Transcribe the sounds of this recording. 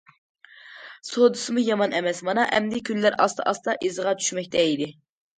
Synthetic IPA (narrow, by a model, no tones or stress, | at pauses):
sod̪ɨsɨmujɑmɑnɛmɛsmɑnɑʔɛ̰md̪ɪkʲʰylːæɾʔɑ̰st̪ʰɨ̰ʔɑst̪ɑʔizʁɑt͡ʃʰy̥ʃmɛk̚ʲt̪ʰɛid̪ɪ